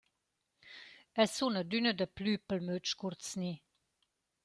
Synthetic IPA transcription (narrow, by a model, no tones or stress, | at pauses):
ɛsunəd̪ynəd̪əplypəlmøt͡ʃkuɾt͡sni